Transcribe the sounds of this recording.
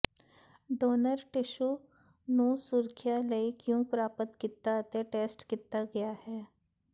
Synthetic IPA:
ɖoːnəɾʈɪʃu | nũsʊɾkʰjaləikjõːpɾaːpət̪kit̪aət̪eʈeːsʈkit̪aɡɐjahɛː

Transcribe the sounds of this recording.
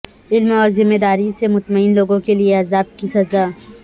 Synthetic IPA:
ɪlmɔːɾzɪmːed̪aːɾisemʊt̪məɪnloːɡõkelieɐzaːb̚kisɐzaː

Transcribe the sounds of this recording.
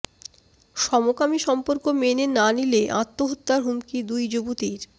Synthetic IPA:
ʃɔmokamiʃɔmpoɾkomenenanileʔã̰t̪ːoɦot̪ːaɾɦumkid̪ujd͡ʑobut̪iɾ

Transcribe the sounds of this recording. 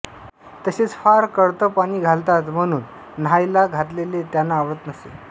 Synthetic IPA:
t̪əɕet͡sfaɾkəɽt̪əpaɽ̃iːɡʱalt̪at̪m̤əɽ̃uːn̤ː | ajlaɡʱat̪lelet̪janːaːʋɾət̪nəsḛ

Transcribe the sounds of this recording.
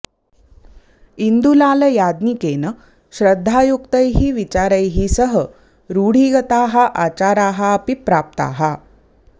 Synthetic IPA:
ind̪ulaːlɐjaːd̪nikeːnɐ | ɕɾəd̪ʱːaːjukt̪ɐjɦiʋit͡ɕaːɾɐjɦisəɦə | ɾuːɽ̤iːɡɐt̪aːɦɐʔat͡ɕaːɾaːɦɐːpipɾaːp̚t̪a̰ːɦɐ

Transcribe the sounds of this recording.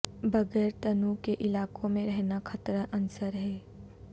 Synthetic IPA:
bɐɡɛːɾt̪ɐnukeʔɪlaːkõmẽɾɛɦnakʰɐt̪ɾəʔɐnʊsəɾɦɛː

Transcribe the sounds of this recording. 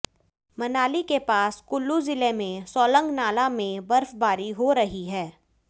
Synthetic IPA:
mɐnaːlikepaːskʊlːuzɪlemẽsɔːlə̃ŋɡnaːlamẽbɐɾfbaːɾiɦoɾɐɦiɦɛː

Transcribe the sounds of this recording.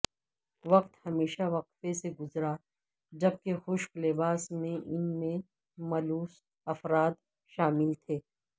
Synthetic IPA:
ʋɐqt̪hɐmeːʃaʋɐqfeseɡʊzɾa | d͡ʒɐb̚kexʊʃklɪbaːsmẽʔɪnmẽ | mɐluːs | ɐfɾaːd̪ | ʃaːmɪlt̪ʰeː

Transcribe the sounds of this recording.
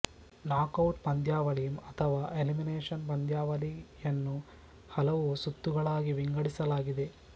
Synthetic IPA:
naːkɐwʈbɐnd̪jaːʋɐlimɐt̪ʰɐʋaːʔelimineːʂɐnbɐnd̪ʱjaːʋɐlijɐnːu | hɐlɐʋusut̪ːuɡɐɭaːɡiʋiŋɡɐɽisɐlaːɡid̪e̞

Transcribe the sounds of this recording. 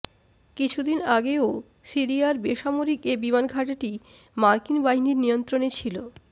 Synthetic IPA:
kit͡ɕʰud̪inaɡeo | siɾiaɾbeʃamoɾikebimanɡʱaʈeʈi | maɾkinbaɦiniɾnijont̪ɾonet͡ɕʰilo

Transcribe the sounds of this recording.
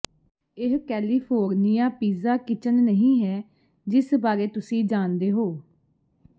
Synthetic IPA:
ɪɦkɛːliːpʰoːɾnijaːpiːzaːkɪt͡ʃənːəɦĩːɦɛː | d͡ʒɪsbaːɾeːt̪ʊsĩːd͡ʒaːnd̪eːɦoː

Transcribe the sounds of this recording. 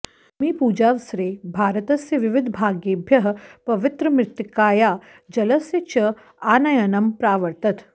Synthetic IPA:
miːpuːd͡ʒaːʋsɾeːbʱaːɾət̪ɐsjɐʋɪʋɪd̪ʱbʱaːɡjeːbʱjɐɦpɐʋɪt̪ɾɐmɾɪt̪jɪkaːjaː | d͡ʒɐlɐsjɐt͡ʃɐ | aːnɐjɐnɐmpɾaːʋɐɾt̪ɐt̪

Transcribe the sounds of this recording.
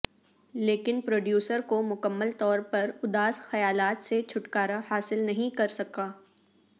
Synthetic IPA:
leːkɪnpɾoːɖjuːsəɾkomʊkəmːəlt̪ɔːɾpɐɾʊd̪aːsxɐjaːlaːt̪set͡ʃʰʊʈkaːɾahaːsɪlnɐɦĩkɐɾsɐkaː

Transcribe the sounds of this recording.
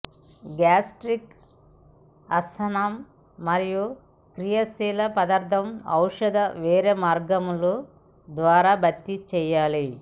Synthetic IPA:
ɡaːsʈɾik | ɐsɐnɐmː | ɐɾiju | kɾijɐsiːlɐpɐd̪ɐɾd̪ʱɐmɐwʂɐd̪ɐʋɛːɾeːmaːɾɡɐmulu | d̪ʋaːɾaːbɐt̪ːit͡ʃɛːjaːli

